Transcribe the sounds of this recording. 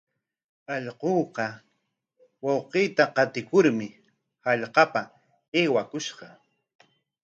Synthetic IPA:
ɑʎqoːqɑ | wɑwqejt̪aqɑt̪ɪkʊɾmɪ | hɑʎqɑpa | eːwakʊʃqɑ

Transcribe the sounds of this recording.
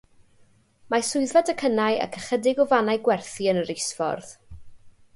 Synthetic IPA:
masʊɨðvadəkʰənajə̰kʰəχədɪɡɔvanajɡwɛrθiənəɾɪsfɔ̰rð

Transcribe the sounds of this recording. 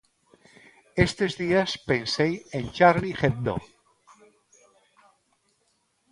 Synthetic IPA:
est̪ezðiaspensejẽnt͡ʃaɾlixeð̚d̪o̰

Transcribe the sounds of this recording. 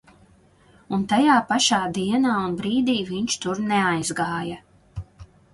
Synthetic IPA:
unt̪ajaːpaʃaːd̪iɛnaːunbɾiːd̪iːviɲt͡ʃt̪uɾnɛajzɡaːjɐ

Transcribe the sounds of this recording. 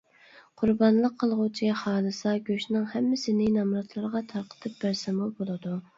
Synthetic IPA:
qʰʊɾbɑnlˠəqʰːəlˠʁut͡ʃʰiχɑːlˠɨsɑɡʲøʃnɨŋhɛmːɪsɪnɪnɑmɾɑt̪lˠɑɾʁɑt̪ʰɑɾqʰə̥t̪ʰɨp̚bæɾsɪmubolˠɨd̪u

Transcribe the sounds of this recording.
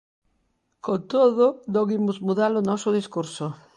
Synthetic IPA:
kot̪oðʊd̪oɣimʊzmuðalonɔsʊð̞iskuɾso

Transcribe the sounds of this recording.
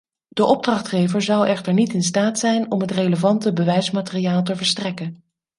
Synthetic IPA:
d̥əʔɔb̚drɑχtχejvəɹzɑwɛχtəɹnitɪnstaːtsɛjnɔmɦətrejləvɑntəbəʋɛjsmaːtɪrijaːlˠt̬əvəɹstrɛkən

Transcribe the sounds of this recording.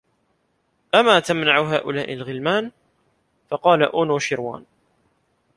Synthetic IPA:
ʔamːaːt̪amnaʕʊɦa̰ːʔʊlaːʔɪlɣɪlmaːn | fɑqɑːlaʔuːnuːʃɪɾwa̰ːn

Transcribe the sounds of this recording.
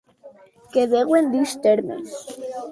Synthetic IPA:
keðeɣwend̪ist̪eɾmḛns

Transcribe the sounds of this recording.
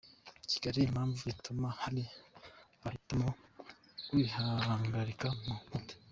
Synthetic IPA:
ci̥ɡ̥aɾiːmaːɱvuitumahali | βahitamo | kwihaŋɡaɾikamumudi̥

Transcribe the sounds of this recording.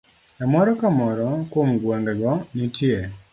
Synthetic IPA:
ɛmɔɾɔkamɔɾɔkwomɡwoŋɡɡɔnitje

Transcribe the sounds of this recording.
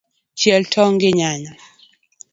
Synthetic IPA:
t͡ʃjɛltʰɔŋɡɪɲaɲa

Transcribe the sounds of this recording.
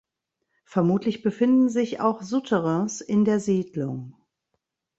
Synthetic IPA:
fɛɐmuːtʰlɪçb̥əfɪndn̩zɪça̰ʊxzʊtʰəʁəsɪndeːɐziːdlʊ̰ŋ

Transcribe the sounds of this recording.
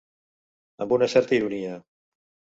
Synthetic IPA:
ə̰mbunasɛɾt̪iɾunia

